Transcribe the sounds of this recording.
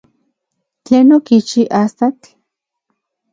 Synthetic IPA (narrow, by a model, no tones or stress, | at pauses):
t͡ɬenokit͡ʃiʔast̪at͡ɬ